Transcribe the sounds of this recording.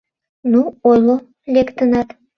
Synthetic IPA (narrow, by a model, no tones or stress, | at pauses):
nuojlo | lʲekt̪ənɑt̪